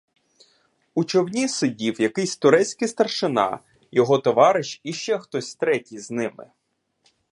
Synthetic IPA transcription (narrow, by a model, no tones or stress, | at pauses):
ut͡ʃɔwnʲisʊdʲiwjɐkɪsʲt̪ʊɾɛt͡sʲkɪst̪ɐrʃɪnɑ̰ | jɔɦɔt̪ɔʋɑɾɪʃiʃt͡ʃɛxt̪ɔsʲt̪ɾɛtʲijznɪmɪ̰